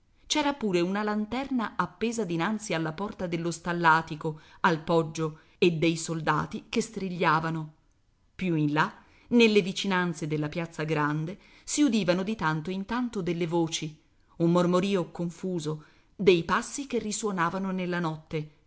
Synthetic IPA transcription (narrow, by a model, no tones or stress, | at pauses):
t͡ʃɛːɾapuːɾeunalant̪ɛrnaapːeːzad̪inant̪sialːapɔrt̪ad̪elːost̪alːaːt̪ikoalpɔd͡ʒːo | ed̪ːejsold̪a̰ːt̪ikest̪ɾiʎːaːvano | pjuinla | nelːevit͡ʃinant̪sed̪elːapjat̪sːaɡɾand̪e | siud̪iːvanod̪it̪ant̪oint̪ant̪od̪elːevoːt͡ʃi | umːormoɾiːokoɱfuːzo | d̪ejpasːik̟erːiswonaːvanonelːanɔt̪ːe